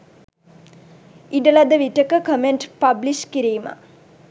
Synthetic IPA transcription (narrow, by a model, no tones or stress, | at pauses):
iɖəlad̪əʋiʈəkəkəmeɳʈpabliʃkiɾiːma̰